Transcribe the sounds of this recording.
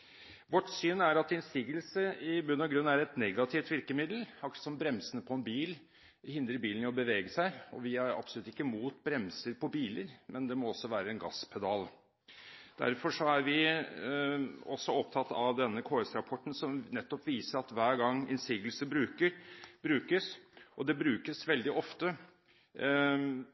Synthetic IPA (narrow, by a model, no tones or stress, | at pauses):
ʋɔʈːsyːnːæɾɑt̪ɪnsiːɡəlsəɪbʉnːɑɡɾʉnːæɾɛt̪nɛɡɑt̪ʰɪft̪ʋɪɾkəmɪd̪əl̩fɑkə̥sɔmbɾɛmsənəpʰɔɛnbiːl | hɪnd̪ɾəɾbiːlnɪɔbəʋeːɡəsæɪɔ̰ʋɪæɾɑ̰psɔlʉt̪ːɪkːəmuːt̪bɾɛmsəɾpʰɔbiːləɾmʔɛnd̪ɛmɔɔsːɔʋæːɾəɛnɡɑ̰spʰɛd̪ɑl | d̪̥æ̰ɾfɔʂɔæɾʋɪ | ɔsːɔɔp̚t̪ʰɑt̪ːɑʋd̪ɛnːəkʰoːɛsɾɑpʰɔʈn̩sɔmnɛt̪ːɔpʋiːsəɾɑt̪ʋæːɾɡɑŋːɪnsiːɡəlsəbɾʉːkəɾbɾʉːkəsʔɔd̪ɛbɾʉːkəsʋɛld̪ɪʔɔft̪ə